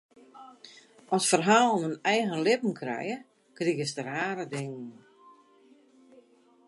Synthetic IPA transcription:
ʔɔsfərɦaːlˠmənɛjɣənlɪpn̩kʰrɛ̰jə | kriɣəsdəraːɾədɪŋən

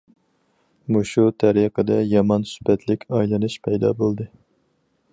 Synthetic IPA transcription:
muʃut̪ʰɛɾiqʰəd̪ɛjɑmɑnsy̥pɛt̪ʰlɪkʲɑjlˠɨnɨʃpʰɛjd̪ɑ̰bolˠd̪ɨ

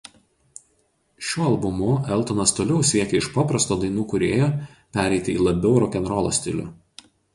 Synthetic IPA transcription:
ʃʲuːɐlˠbʊmʊɛlˠt̪onɐst̪oːlʲɛʊsʲiɛkʲɛɪʃpɑpɾɐst̪oːd̪ɐɪnuːkʊɾʲeːjoː | pʲæɾʲɛɪt̪ʲɪḭːlˠɐbʲɛʊɾɔkʲɛnɾɔːlˠo̰ːsʲt̪ʲɪ̰lʲʊ̰

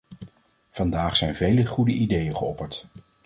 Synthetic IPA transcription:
v̥ɑndaːχsɛjnvejləχudəʔidejəχəɔpəɹt

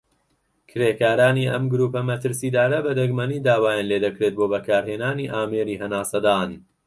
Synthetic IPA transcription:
kʰɨɾeːkaːɾaːniːʔɐ̰mɡʊɾuːpɐmɐt̪ʰɨɾsiːd̪aːɾɐbɐd̪ɐɡmɐniːd̪aːwaːjaːnleːd̪ɐkɾet̪̚boːbɐkʰaːɾheːnaːniːʔaːmeːɾiːɦɐnaːsɐd̪aːn

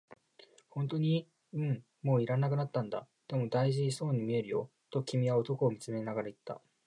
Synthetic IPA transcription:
hõ̞nt̪o̞ɲ̟i | ɯ̟̃ɴ | mo̞ːiɾanakɯ̟nat̪ːãnd̪a̰ | d̪̥e̞mo̞d̪aiʑiso̞ːɲ̟imʲie̞ɾɯ̟jo̞̰ | t̪o̞kʲimʲiβao̞t̪o̞ko̞ːmʲit͡sɨmenaɡaɾait̪ːa̰

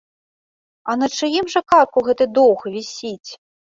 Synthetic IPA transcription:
ɐnɐt͡ʂɨjimʐɐkarkuɣɛt̪ɨd̪ɔwxvʲisʲit͡sʲ

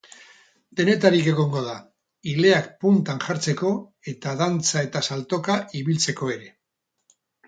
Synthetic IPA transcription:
d̪e̞ne̞t̪aɾike̞ɣ̞oŋɡo̞ða | ile̞akpunt̪anʝaɾt͡se̞ko̞e̞t̪aðant͡sae̞t̪asalt̪o̞kaʔiβilt͡se̞ko̞e̞ɾe̞

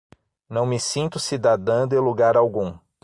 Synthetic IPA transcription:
nɐ̃w̃mɪsĩnt̪ʊsid̪ad̪ɐ̃nd̪ʊẽluɡaɾawɡũ

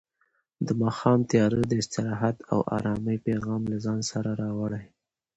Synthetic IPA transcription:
d̪əmɑxɑmt̪jɑɾəd̪əɪst̪ɪɾɑɦat̪a̰wʔɑ̰ɾɑməjpeɣɑmlazɑnsaɾaɾɑwəɽaj

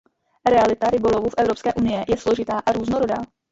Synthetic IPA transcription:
ɾɛalɪt̪aɾɪbo̞lo̞vufʔɛvɾo̞pskɛːʔunɪjɪjɛslo̞ʒɪt̪aːʔaɾuːznoɾodaː

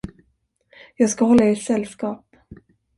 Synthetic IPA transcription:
jɑːɡskaɦɔlːaeʈsɛlskɑːp

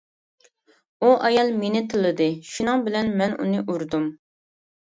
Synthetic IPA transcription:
uʔɑjɑlˠmenɪt̪ʰɨlˠːɨd̪ɨʃunɨŋbɪlɛnmɛnṵnɨʔuɾd̪um

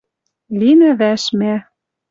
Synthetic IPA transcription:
linɘ̆βæʃmæ

